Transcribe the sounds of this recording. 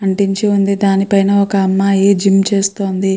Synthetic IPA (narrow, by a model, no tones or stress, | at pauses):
ɐɳʈiɲt͡ʃiund̪id̪aːnipɐjnɐɔkɐɐmːaːeːd͡ʒimt͡ʃeːst̪o̞ːnd̪i